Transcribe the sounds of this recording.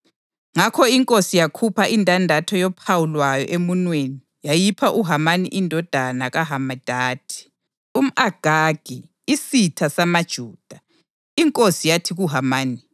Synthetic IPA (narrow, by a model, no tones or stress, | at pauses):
ŋakʰɔiŋkʼosijakʰupʰaʔintʼandʱatʰɔjɔpʰawulwajɔ̰ʔemunweni | jajipʰaʔuɦamanḭʔindʱɔd̥ʱanaɣaɦamad̥ʱaːtʰi̥ | um̩aɡ̥ʱaɡ̥ʱi | isitʰasamad̥ʒ̥ʱuːd̥ʱa | iŋkʼosijatʰiɣuɦamaːni